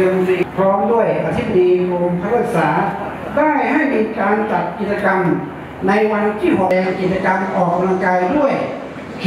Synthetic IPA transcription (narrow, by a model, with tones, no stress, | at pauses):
ɯ˧si˧˩pʰɾɔː˦˥mdu˥˩əjʔa˧t̪ʰi˥˩b̚a˧diː˧ɾo˧mpʰa˦˥k̚ʰɯː˥˩k̚saː˩˦ | daː˥˩jha˥˩jmiː˧kaː˧nt͡ɕa˨˩t̪̚ki˨˩t͡ɕa˧ka˧m | na˧jwa˧nt̪ʰiː˥˩ɦo˨˩ɛː˧ŋki˨˩t̪̚t͡ɕːa˧ka˧mʔɔː˨˩k̚ːa˧mla˧ŋkaː˧jdu˥˩əj | kʰ